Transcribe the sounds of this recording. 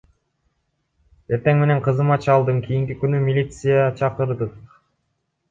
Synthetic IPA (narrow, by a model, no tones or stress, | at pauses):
e̞ɾt̪e̞ŋme̞ne̞ɴqʰɯzɯmɑt͡ʃɑlˠd̪ɯɴkʰijiŋkikynymilʲit̪sɨjat͡ʃʰɑqɯɾd̪ɯq